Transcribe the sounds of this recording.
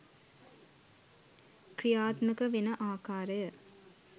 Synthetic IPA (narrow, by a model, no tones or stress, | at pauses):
krijaːt̪məkəʋenəʔaːkaːɾəjə